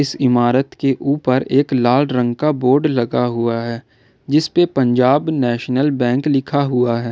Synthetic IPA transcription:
ɪsɪmaːɾət̪keʔuːpəɾeːklaːlɾə̃ŋɡkaboːɾɖlɐɡaɦʊaɦɛː | d͡ʒɪspepə̃ɲd͡ʒaːbnɛːʃnəlbɛ̃ːŋklɪkʰaɦʊaɦɛː

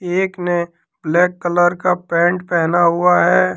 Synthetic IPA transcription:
eːkne | blɛːkːələɾkapɛ̃ːɳʈpɛɦnaɦʊaɦɛː

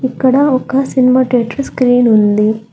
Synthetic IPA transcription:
ikːɐɽɐɔkɐsinimaːʈiɐʈɾɐskɾiːnond̪i

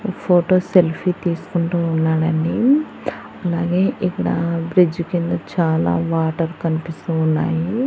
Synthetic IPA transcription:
pʰoːʈoːselpʰit̪iːsu̥kuɳʈuunːaːɽɐni | ɐlaːɡe̞ːʔikːɐɽɐbɾid͡ʒukind̪ɐt͡ʃaːla̰ːʋaːʈɐɾkɐnipist̪uːnːa̰ːji

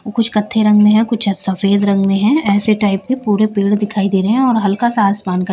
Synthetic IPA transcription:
oːkʊt͡ʃʰkɐt̪ʰːeɾɐ̃ŋɡmẽɦɛ̃kʊt͡ʃʰsɐfeːd̪ɾɐ̃ŋɡmẽɦɛ̃ɛːseʈaːɪp̚kepuːɾepeːɽd̪ɪkʰaːid̪eːɾeɦɛ̃ɔːɾɦɐlkasaaːsmaːnkɐ

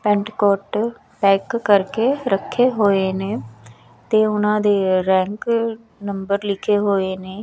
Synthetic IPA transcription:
pɛ̃ːɳʈkɔːʈ | pɛːkːəɾkeːɾəkʰːeːɦoːeːneː | t̪eːʊnãːd̪eːɾɛ̃ːŋk | nəmbəɾlɪkʰeːɦoːeːneː

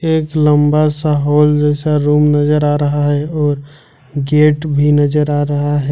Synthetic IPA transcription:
eːkləmbasaɦoːld͡ʒɛːsaɾuːmnəd͡ʒəɾaɾəɦaɦɛɔːɾ | ɡeːʈbʱinəd͡ʒəɾaːɾəɦaɦɛ

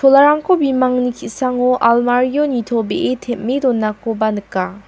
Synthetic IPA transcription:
tʰɔlaɾaŋkʰobimaŋnikʰisaŋɔʔalmaɾijonitʰɔbeʔetʰet̚medɔnːakɔbanɯkːa

